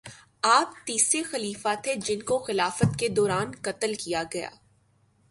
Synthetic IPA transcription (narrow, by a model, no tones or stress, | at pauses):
aːp̚t̪iːsɾexɐliːfat̪ʰed͡ʒɪnkoxɪlaːfət̪ked̪ɔːɾaːnkɐt̪əlkijaɡɐja̰ː